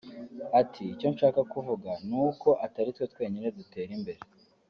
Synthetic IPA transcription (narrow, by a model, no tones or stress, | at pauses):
atʰiːco̞nʃaːkakuvuɡanuːko̞ʔataɾitwe̞twe̞ːɲine̞dute̞ːɾimbe̞ɾe